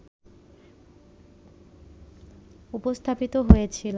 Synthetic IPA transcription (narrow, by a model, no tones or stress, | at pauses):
upost̪ʰapit̪oɦojet͡ɕʰil